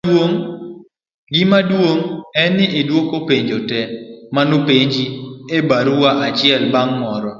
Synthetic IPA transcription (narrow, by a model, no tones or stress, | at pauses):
oŋ | ɡɪmadwoŋɛnɪʔɪdwokopeɲd͡ʒotɛmanupeɲd͡ʒiebaɾuwaʔat͡ʃɪɛlbaŋmɔɾɔ